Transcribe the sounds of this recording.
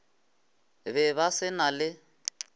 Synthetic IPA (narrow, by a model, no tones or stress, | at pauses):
βɛβasɪnalɪ